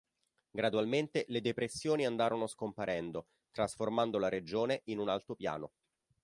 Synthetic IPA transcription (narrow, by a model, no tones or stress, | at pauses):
ɡɾad̪ualment̪eled̪epɾesːjoːniand̪aːɾonoskompaɾʔɛnd̪o | t̪ɾasformand̪olaɾed͡ʒoːneʔinunalt̪ɾopja̰ːno